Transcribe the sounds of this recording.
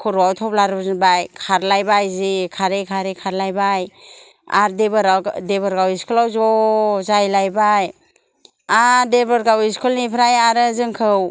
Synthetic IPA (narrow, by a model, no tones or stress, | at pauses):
kʰɔɾuawtʰɔp̚laɾɯbzɯnbajkʰaɾlajbajzikʰaɾekʰaɾekʰaɾlajbaj | a̰ɾdebɯɾadeβɔɾɡawiskulawzɔzajlajbaj | adebɔɾɡawiskʰulnipʰɾajaɾɯzɯŋkʰɯw